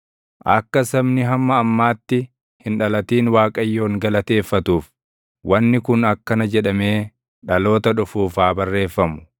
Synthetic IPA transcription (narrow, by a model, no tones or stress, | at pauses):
ʔɐkːɐsɐbnɪɦɐmːɐːmːaːt̪ːɪ | hɪnᶑɐlɐt̪iːnwaːkʼɐjːo̞ːŋɡɐlɐt̪e̞ːfːɐt̪uːf | wʔɐnːɪkʊnɐkːɐnɐd͡ʒɛᶑɐme̞ː | ᶑɐlo̞ːt̪ɐᶑʊfuːfaːbɐrːe̞ːfːɐmʊ̥